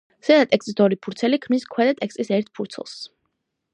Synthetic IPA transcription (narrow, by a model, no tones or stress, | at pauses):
sɛd̪at̪ʼɛkst̪ʼisd̪ɔɾipʰuɾt̪sʰɛlikʰmiskʰwɛd̪at̪ʼɛkst̪ʼisɛɾt̪̚ʰpʰuɾt̪sʰɛ̰lˠs